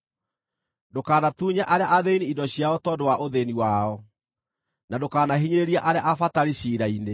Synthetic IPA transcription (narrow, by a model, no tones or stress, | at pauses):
dokaːnatuːɲaʔaɾeaʔaðeiniindɔɕijaɔtɔdowaʔoðeniwaɔ | nadokaːnaɦiɲeɾeɾiaʔaɾeaʔafataɾiɕiːɾaine